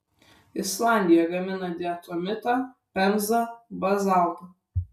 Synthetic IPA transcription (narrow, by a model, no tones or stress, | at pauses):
ɪslˠɑˑnʲd̪ʲɪjɛɡɐmʲɪnɐd̪ʲɪɛt̪omʲɪt̪ɐpʲɛmzɐbɐzɑlˠt̪ɐ